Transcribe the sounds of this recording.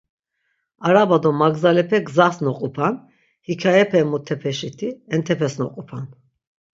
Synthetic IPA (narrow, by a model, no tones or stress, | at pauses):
aɾabad̪ɔmaɡzalɛpʰɛɡzasnɔqʼupʰan | hikʰaɛpʰɛmɔt̪ʰːɛpʰɛʃit̪ʰiɛnt̪ʰɛpʰɛsnɔ̰qʼupʰan